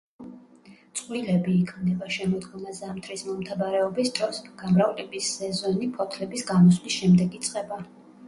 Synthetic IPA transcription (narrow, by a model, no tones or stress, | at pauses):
t̪sʼqʼwilɛbiːkʰmnɛbaʃɛmɔd̪ɡɔmazamt̪ʰɾismɔmt̪ʰabaɾɛɔbisd̪̥ɾɔsɡ̥amɾavlɛbisɛzɔnipʰɔt̪ʰlɛbisɡamɔslisʃɛmd̪ɛɡit̪sʼqʼɛba